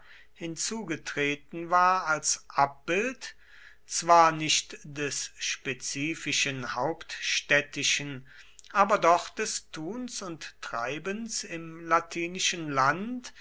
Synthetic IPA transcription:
hɪnt͡suːɡətʁ̥eːtn̩vaːɐalsʔap̚b̥ɪlt | t͡sv̥aːɐnɪʃtd̥ɛsʃpet͡siːfɪʃənhaʊptʃtɛtɪʃən | ʔaːbɐdɔχd̥ɛstʰuːnsʊnttʁ̥a̰ɪbənsɪmlatʰiːnɪʃənlant

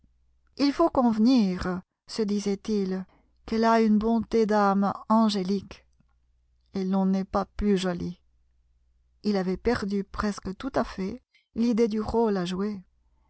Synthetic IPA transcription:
ilfokɔ̃vniʁ | səd̪izɛt̪il | kɛlaynbɔ̃t̪ed̪amɑ̃ʒelik | elɔ̃nɛpaplyʒɔli | ilavɛpɛʁd̪ypχɛskət̪ut̪afɛ | lid̪ed̪yʁolaʒue

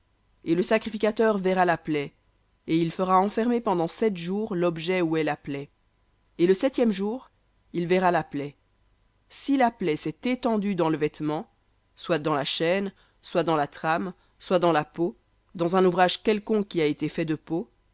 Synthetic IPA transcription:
eləsakχifikʲat̪œʁvɛʁalaplɛ | eilfəʁaɑ̃fɛʁmepɑ̃d̪ɑ̃sɛt̪ʒuːʁlɔbʒɛuɛlaplɛ | eləsɛt̪jɛmʒuːʁ | ilvɛʁalaplɛ | silaplɛsɛt̪et̪ɑ̃d̪yd̪ɑ̃ləvɛt̪mɑ̃ | swad̪ɑ̃laʃɛn | swad̪ɑ̃lat̪χam | swad̪ɑ̃lapo | d̪ɑ̃zɛ̃nuvʁaʒkʲɛlkɔ̃kʲːiaet̪efɛd̪əpo

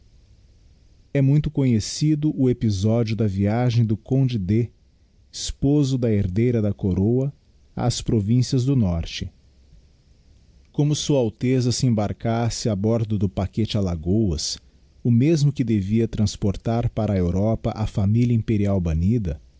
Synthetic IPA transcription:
ɛmũj̃t̪ʊkõɲesid̪ʊʔʊepizɔd͡ʒiʊd̪ɐviaʒẽj̃d̪ʊkõd͡ʒɪd̪e | ispozʊd̪ɐeɾd̪ejɾɐd̪ɐkoɾowɐ | a̰ːspɾovĩsiɐzd̪ʊnɔɾt͡ʃɪ | kõmʊsuɐawt̪ezɐsɪẽbaɾkasɪabɔɾd̪ʊd̪ʊpaket͡ʃɪalaɡowɐ̰s | ʊmezmʊkɪd̪eviɐt̪ɾɐ̃spoɾt̪aɾpaɾɐewɾɔpɐʔɐfamilɐĩpeɾiawbɐnid̪ɐ

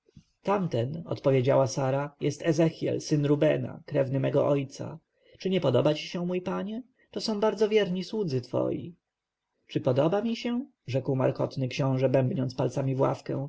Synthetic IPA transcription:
t̪amt̪ɛnɔ̰t̪pɔvʲjed͡ʑawasaɾajɛst̪ɛzɛxʲjɛ̰lsɘnɾubɛna̰kɾɛvnɘmɛɡɔʔɔjt̪sa̰ | t͡ʂɘɲɛpɔd̪ɔbat͡ɕi̥ɕɛ̃mujpaɲɛ | t̪ɔsɔ̃w̃baɾd̪zɔvʲjɛɾɲiswud̪zɘt̪fɔ̰jḭ | t͡ʂɘpɔd̪ɔbamʲiɕɛ | ʐɛkwma̰ɾkɔt̪nɘkɕɔ̃w̃ʐɛbɛmbɲɔntspalt̪samʲivwa̰fkɛ̰̃w̃

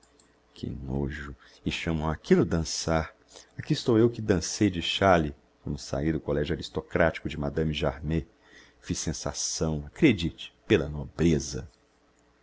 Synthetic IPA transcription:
kʰɪ̰noʒʊ | ɪʃɐ̃mõwakilʊd̪ɐ̃saɾ | akiːst̪owewkɪd̪ɐ̃sejd͡ʒɪʃali | kɐ̃nd̪ʊsa̰ijd̪ʊkolɛʒuaɾist̪okɾat͡ʃi̥kʊd͡ʒɪmad̪ɐ̃miʒaɾme | fisẽsa̰sɐ̃w̃akɾed͡ʒit͡ʃɪ̥pelɐnobɾezɐ

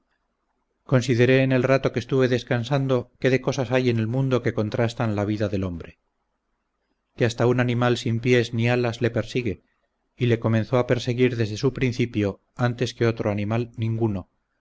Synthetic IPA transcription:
konsiðe̞ɾe̞ːne̞lrat̪o̞kest̪uβe̞ðe̞skansand̪o̞ke̞ðeko̞sasaje̞ne̞lmũnd̪o̞ke̞ko̞nt̪ɾast̪anlaβ̞iðaðe̞lo̞mbɾe | keast̪aunanĩmalsimpje̞znialazle̞pe̞ɾsiɣe̞ | ile̞ko̞menθo̞ape̞ɾse̞ɣiɾðe̞zðesupɾinθipjo̞ | ant̪e̞skeo̞t̪ɾoanĩmalnĩŋɡuno̞

